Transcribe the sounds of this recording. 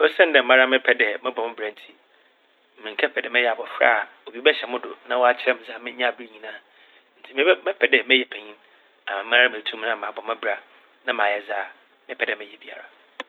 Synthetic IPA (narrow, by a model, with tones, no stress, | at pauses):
o˦sɛ̃˦n˦dɛ˨m̩˨mã˦ɾa˦mɪ̃˦pʰɛ˦dɛ˨mɪ̃˦bɔ̃˨m˦bɾã˨n˦tʰi˦ | m̩˨mĩ˨ŋkʰɛ˦pɛ˨dɛ˨mɛ̃˦jɛ˦˨a˨bɔ˨fɾa̰˦˨ | o˨bi˦bɛ˦ɕɛ˨mʊ̃˦dʊ̰˨nã˦wɔ˦a˦t͡ɕʰɪ˦ɾɛ˦m̩̃˨zaː˦˨mɪ̃˦ɲ̃˦a˨bɾi˦ɲĩ˨nãː˨ | n̩˨tʰi˦ɪ̃˦mɛ̃˦pʰɛ˨dɛ˨mɛ˦jɛ˨pʰɛ˨ɲĩ˦n | a˨mã˨m̩˦ã˦ɾa˦a˦mẽ˨tʰũ˦m˦nã˨mã˨bɔ˨mã˦bɾa˨ | nã˦mãː˨jɛ˦zaː˦˨ | mɪ̃˦pʰɛ˨dɛ˨mɛ̃˨jɛ˨bi˨a̰˨ɾa˨